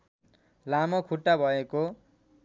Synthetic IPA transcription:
lamʌkʰuʈːabʱʌeko

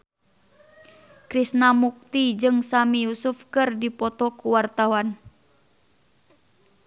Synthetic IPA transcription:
kɾisnamuk̚t̪id͡ʒɨŋsamijusufkɨrdipɔt̪ɔkuwart̪awan

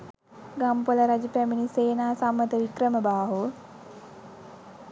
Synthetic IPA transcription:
ɡampoləɾad͡ʒəpæminiseːnaːsamːət̪əʋikɾəməbaːɦu

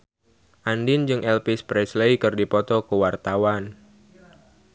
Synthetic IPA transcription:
ʔandɪnd͡ʒɨŋʔɛlpɪspɾɛsleikɨrdipɔt̪ɔkəwart̪awan

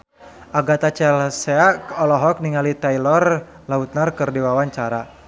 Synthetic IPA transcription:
aɡat̪at͡ʃɛlsɛakɔlɔɦɔk̚niŋalit̪ajlɔr | laut̪̚narkɨrdiwawaɲt͡ʃaɾa

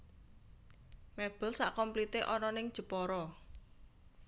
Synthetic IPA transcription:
mɛb̥ə̤lsa̰ʔkɔmplit̪eʔɔnɔnɪŋd̥ʒ̥ə̤pɔɾɔ

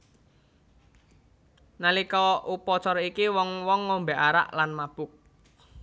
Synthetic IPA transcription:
nalikɔupɔt͡ʃɔɾikiwɔŋwɔŋːombeʔaɾa̰ʔlanmab̥ʊk̚

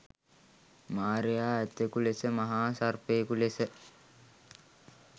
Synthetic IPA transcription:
maːɾejaːæt̪ːekulesəmaɦaːsarpekulesə

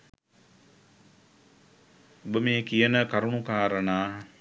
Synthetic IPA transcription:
obəmeːkijənəkaɾuɳukaːɾənaː

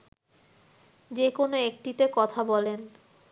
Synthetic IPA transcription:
d͡ʑekonoek̚ʈit̪ekɔt̪ʰabɔlen

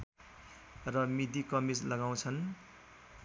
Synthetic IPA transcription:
rʌmid̪ikʌmislʌɡaw̃t͡sʰʌn

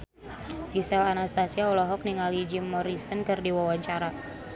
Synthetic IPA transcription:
risɛlanast̪asiaulɔɦɔk̚niŋalid͡ʒimːɔɾisənkɨrdiwawaɲt͡ʃaɾa

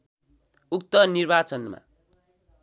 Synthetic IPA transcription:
uk̚t̪ʌnirbat͡sʌnma̰

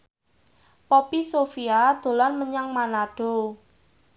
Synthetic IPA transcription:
pɔpisofiad̪̥o̤lanməɲaŋmanaɖ̥o̤

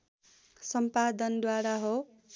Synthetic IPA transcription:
sʌmpad̪ʌnd̪waɾaɦo

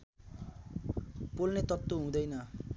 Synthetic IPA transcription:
polnet̪ʌt̪ːoɦũd̪ʌjnʌ

